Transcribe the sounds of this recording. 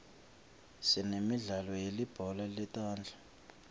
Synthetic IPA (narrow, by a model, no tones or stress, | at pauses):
sinemiɮalɔjelib̥ʱɔlalitʼaːnd͡ɮʱḁ